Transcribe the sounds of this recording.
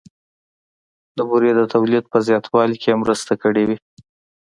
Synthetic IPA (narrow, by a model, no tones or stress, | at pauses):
d̪əbuɾjed̪ət̪awlid̪̚pəzjɑt̪ʰwɑlkʰemɾəst̪akəɽewi